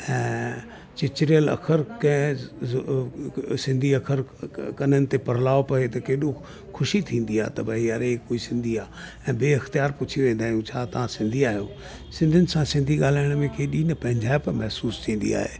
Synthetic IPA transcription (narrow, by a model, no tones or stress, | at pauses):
ɛ̃ː | t͡ɕɪt͡ɕɪɾijəlɐ̰kʰəɾkɐ̃ | sɪ̃nd̪ʱiɐkʰəɾkɐnənɪ̆t̪epɐɾ̤laːopɐet̪ɐkeːɗo | xʊʃit̪ʰĩːn̆d̪iaːt̪ɐbəɦiɐɾekoːisɪ̃nd̪ʱiaːɛ̃ːbeːɐxt̪ijaːɾpʊt͡ɕʰiʋẽːnd̪aːjũt͡ɕʰaːt̪ɐʋ̤ãsɪ̃nd̪ʱiaːɦijo̰ː | sɪ̃nd̪ʱʊnɪ̆sãsɪ̃nd̪ʱiɡaːl̤aːɪɽ̃mẽkʰeːɗiːnɐpɐ̃ɦɪ̃ɲd͡ʑʱaːɪpɐmɛɦsuːst̪ʰĩːn̆d̪ḭa̰ːɦeː